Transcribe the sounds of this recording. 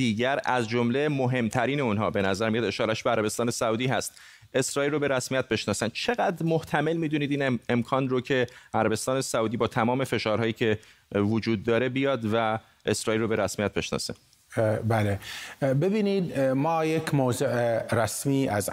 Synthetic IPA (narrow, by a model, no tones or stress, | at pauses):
iːɟæɾæzd͡ʒomle̞moɦe̞mt̪ʰæɾiːneunɦɒ̰ːbe̞næzæɾmijɒd̪e̞ʃɒːɾæʃbeæɾæbe̞st̪ɒːne̞sæuːd̪iːɦæst̪ | e̞sɾɒːilrobe̞ɾæsmijæt̪̚be̞ʃnɒːsænd̪̥̚t͡ʃʰe̞ɣæd̪ɾmoht̪ʰæme̞lmiːd̪uniːd̪iːne̞mkʰɒːnrocʰe̞æɾæbe̞st̪ɒːne̞sæuːd̪iːbɒːt̪ʰæmɒːme̞fe̞ʃɒːɾɦɒːjiːcʰe̞ | vod͡ʒuːd̪ːɒːɾe̞bijɒːd̪væ | e̞sɾɒːilrobe̞ɾæsmijæt̪̚be̞̰ʃnɒ̰ːse | bælebebiːnid̪mɒːjekʰmozuʔeɾæsmiːæz